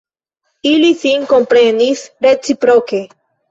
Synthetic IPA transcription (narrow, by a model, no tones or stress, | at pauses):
ilisiŋko̞mpɾe̞nisɾe̞t͡sipɾoke̞